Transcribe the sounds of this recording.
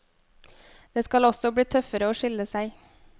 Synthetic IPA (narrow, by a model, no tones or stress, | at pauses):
d̪̥eːskɑlɔsɔbɽiːt̪ʰœfəɾəoːʃɪləsæɪ